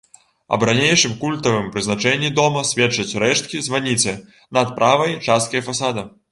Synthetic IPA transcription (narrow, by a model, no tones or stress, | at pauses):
ɐ̰bɾanʲejʂɨmkulʲt̪ɐvɨmpɾɨznat͡ʂɛnʲːid̪ɔmɐsʲvʲɛt͡ʂːɐt͡sʲrɛʂt̪̚kʲizvanʲit͡sʲɛ | nɐt̪̚pɾʔavɐjt͡ʂast̪̚kɐjɐfasad̪ɐ